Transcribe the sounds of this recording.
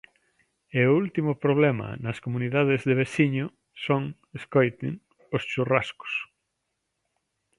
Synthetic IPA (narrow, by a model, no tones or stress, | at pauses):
eʊult̪imʊpɾoβ̞lɛmɐ̰nɐskomuniðað̞ezðeβ̞esiɲʊ | soŋ | eskojt̪ɪ̰ŋ | ost͡ʃuraskʊ̥s